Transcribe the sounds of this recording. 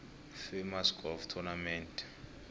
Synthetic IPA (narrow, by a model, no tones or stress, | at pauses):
femaskɔvtʰunamɛntʰʼ